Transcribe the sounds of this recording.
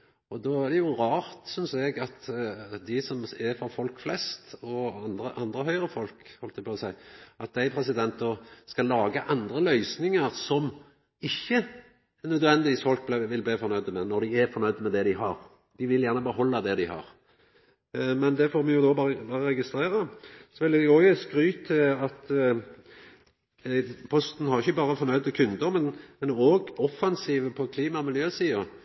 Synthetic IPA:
ɔd̪oæʁd̪ɛjʊɾɑːʁt̪sʏnsɛɡɑt̪d̪ɪsɔmæfɔfɔlkflɛst̪ɔɑnd̪ɾəʔɑnd̪ɾəɦœʏɾəfɔlkhɔlt̪ɛpɑsæɪʔɑt̪̚d̪æɪpʰɾɛsɪd̪ɛnt̪əskɑlɑːɡəʔɑnd̪ɾəlœʏsnɪŋəʁsɔm | ɪçːə | nœd̪ʋɛnɪʋiːsfɔlk̚blʋɪlblifɔɾnœʏd̪əmɛnɔɾd̪ɪæfɔɾnœʏd̪mɛd̪ɛd̪ɪɦɑɾ | d̪̥ɪʋɪljæʁnəbəhɔlːɑd̪ɛd̪ɪhɑ̰ʁ | mɛnd̪ɛfoːɾmɛjʊd̪obɑbɑːʁəɾɛɡɪst̪ɾeːɾɑsɔʋɪld̪ɛɡoɡəskɾyːt̪ʰːɪɑt̪ | pʰɔst̪n̩hɑʁɪçːəbɑːʁəfɔɾnœʏd̪əkʰʉnd̪əɾmɛnmɛnoːɡɔfːɑnsiːʋəpʰɔkʰliːmɑmɪljøːsiːɑ

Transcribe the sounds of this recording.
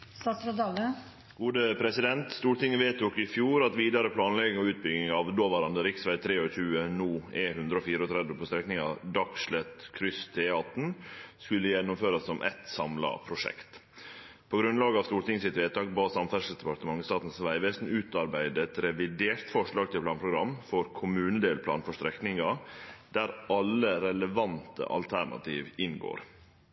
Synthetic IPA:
st̪ɑːsɾɑɑːɡə | ɡ̥uːd̪əpʰɾɛsɪd̪ɛnt̪st̪uːɾʈ̪ɪŋːəʋeːt̪ʰʊkɪfjuːɾɑt̪ʋiːd̪ɑɾəpʰlɑːnlɛɡɪŋɔʉːt̪̚bʏɡnɪŋɑʋd̪oːʋɑɾɑnd̪əɾɪksʋæɪt̪ʰɾeːɔçʉːənuːɛhʉnd̪ɾəɔfiːɾəɔt̪ʰɾɛd̪ʋəpɔst̪ɾɛknɪŋɑ̰d̪ɑkʂɭɛt̪kʰɾʏst̪ʰeːɑt̪n̩skʉlːəjɛnːʊmføːɾɑsːɔmʔɛ̰t̪sɑmlɑ̰pʰɾʊʂɛ̰kt̪ | pʰɔɡɾʉnlɑːɡəɑʋst̪uːɾt̪ɪŋəsɪt̪ʋeːt̪ʰɑːɡbɑːsɑmfæʂəl̩sd̪ɛpɑɾʈ̪əmɑŋːəst̪ɑːt̪n̩sʋæɪʋɛsnʉːt̪ɑɾbæɪd̪əɛt̪ɾɛʋɪd̪eːɾt̪fɔʂɭɑːɡ̚t̪ʰɪlpʰlɑːnpʰɾʊɡɾɑmːfɔɾkʰʊmʉːnəd̪eːlpʰlɑ̰ːnfɔʂt̪ɾɛknɪŋɑd̪̥æɾʔɑlːəɾɛləʋɑnt̪ə̰ʔɑ̰lt̪ʰæɳɑ̰t̪iːʋɪnɡo̰ːɾ

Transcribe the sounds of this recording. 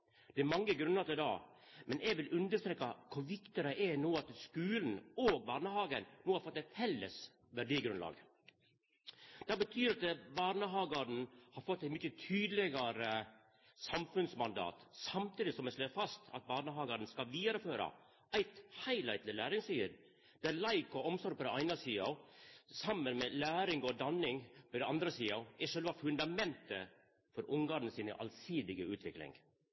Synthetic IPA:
d̪̥ɛæɾmɑŋːəɡɾʉnːəɾt̪ɪld̪ɑ̰ː | mɛnʔɛɡʋɪlʉnd̪əʂt̪ɾeːkɑkʰʊɾʋɪkt̪ɪɾəʔɛnoːɑt̪skʉːln̩oːɡ̚bɑːɾɳəhɑːɡənnoːhɑɾfɔt̪ːæɪfɛlːə̰s | ʋæɖiːɡɾʉnlɑ̰ːɡ | d̪̥ɑːbət̪ʰyːɾɑt̪bɑːɾɳəɦɑːɡɑɖn̩hɑɾfɔt̪ːæɪmʏçət̪ʰyːd̪lɪɡɑɾə | sɑmfʉnsmɑnd̪ɑ̰ːt̪sɑmt̪ʰiːd̪ɪsɔmɛʂløːfɑst̪ɑ̰t̪̚bɑːɾɳəɦɑːɡɑdn̩skɑʋiːd̪ɑɾəføːɾɑ̰ | ʔæɪt̪hæɪlæɪt̪lɪlæːɾɪŋst̪yːɾ | d̪̥ɛæɾlæɪkɔɔmsɔɾ̚pʰɔd̪ɛæɪnɑsiːɑsɑmːənmɛlæːɾɪŋɔd̪ɑnːɪŋpɔd̪ɛɑnd̪ɾəsiːɑæʂølʋɑfʉnd̪ɑmɛnt̪ə | fɔɾʔʊŋɡɑːɾn̩əsiːnə̰ʔɑ̰lsiːd̪ɪɡəʉːt̪ʰʋɪklɪ̰ŋ

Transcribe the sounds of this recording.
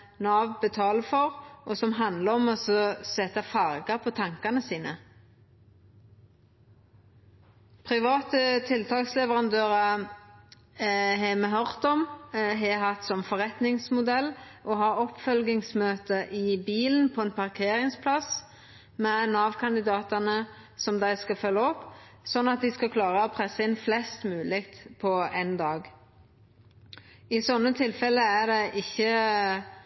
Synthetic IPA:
nɑːʋbət̪ʰɑːləfɔʁʔɔsɔmɦɑnd̪ləɔmɔsɔsɛt̪ɑfɑʁɡɑpʰɔt̪ʰɑŋkɑnəsiːnə | pʰʁɪʋɑːt̪ət̪ʰɪlt̪ʰɑːkslɛʋəʁɑnd̪øːʁə | ɦɛmɛɦœʁt̪ɔmɦɛɦɑt̪sɔmfɔʁɛt̪nɪŋsmʊd̪ɛlːʔɔɦɑːɔpːfœlɡ̪ɪŋsmøːt̪əʔɪbiːln̩pʰɔɛnpʰɑʁkʰeːɾɪŋspʰlɑs | mɛnɑːʋkʰɑnd̪ɪd̪ɑːt̪ɑnə | sɔmd̪æɪskɑfœlːəɔpːsɔnːɑt̪̚d̪ɪskɑkʰlɑːʁəɔpʰʁɛsːəɪnflɛst̪mʉːlɪːkt̪pʰɔɛnd̪ɑːɡ | ɪsɔnːət̪ʰɪlfɛlːəæd̪ɛʔɪçːə

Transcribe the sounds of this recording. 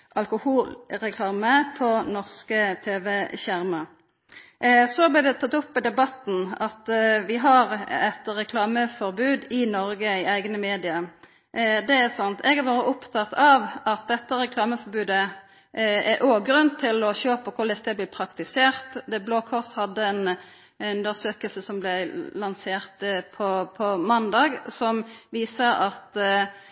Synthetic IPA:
ʔɑlkʊhuːlɾɛkʰlɑːməpʰɔnɔʁskət̪ʰeːʋɛɕæɾmɑ | sɔblɪːd̪ɛt̪ʰɑt̪ːʊpːɛd̪ɛbɑt̪n̩ɑt̪ʋɪɦɑʁɛt̪ɾɛkʰlɑːməfɔɾbʉːd̪ɪnɔɾɡəɪæɪɡnəmeːd̪ɪə | d̪ɛæsɑnt̪ʰɛɡɑʋoːɾəʔʊpt̪ʰɑt̪ɑʋɑt̪̚d̪ɛt̪ːəɾɛkʰlɑːməfɔɾbʉːd̪ə | ɛʔoːɡɾʉnt̪ʰɪlɔɕøːpəkʰʊɾlɪst̪ɛblɪːpʰɾɑkt̪ɪseːɾt̪d̪ɛbloːkʰɔʁshɑd̪ːəɛn | ʉnd̪əsøːkəlsəsɔmblɛlɑnseːɾt̪pʰɔpʰɔmɑnd̪ɑːɡsɔmʋiːsəɾɑt̪

